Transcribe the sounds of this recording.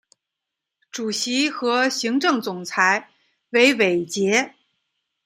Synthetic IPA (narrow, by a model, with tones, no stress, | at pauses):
ʈ͡ʂu˨˩ɕi˧˥xɤ˧˥ɕi˧˥ŋʈ͡ʂɤ˥˩ŋt͡sʊ˨˩ŋt͡sʰa˧˥ɪ | we˧˥ɪwe˨˩ɪt͡ɕjɛ˧˥